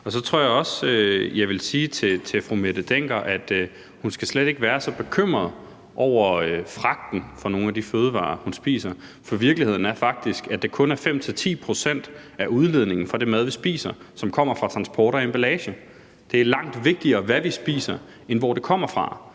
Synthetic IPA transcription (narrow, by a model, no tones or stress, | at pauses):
ɒ̽sɒ̽t͡sʰʁo̝ɐ̰jɑ̈ɪɒ̽søjɑ̈ɪʋe̝lsiːt͡sʰe̝t͡sʰe̝fʁumed̥əd̥eŋ̰ɡ̥ɐʔæd̥ | hunsɡ̥æsled̥e̝ɡ̥əʋæːɐsɒ̽b̥e̝kʰøm̰ʁɐð̩ˠ | ʔɒʊ̰ɐøfʁɑ̈ɡ̥̚d̥n̩fɒ̽no̝ːn̩æd̥iføːð̞̩ˠʋɑ̰̈ːhunsb̥ḭːsɐfɒ̽ʋiɐɡ̥lihe̝ð̞̰ˠn̩æɐfɑ̈ɡ̥̚d̥isɡ̥æd̥ɑ̈kʰɔ̽næɐfem̰t͡sʰe̝lt͡sʰḭːpʰʁo̝sen̰d̥æʔuð̞ˠle̝ð̞̰ˠne̝ŋn̩fɒ̽d̥e̝mæð̞ˠʋisb̥ḭːsɐsɒ̽mkʰɒ̽m̰ɐfʁɑ̈t͡sʰʁɑ̈nsb̥ɒːɾɐemb̥ælɛːɕə | d̥e̝æɐlɑ̈ŋ̰d̥ʋe̝ɡ̥̚d̥iɐːʋæʋisb̥ḭːsɐ | enʋɒ̰ːd̥e̝kʰɒ̽m̰ɐfʁɑ̈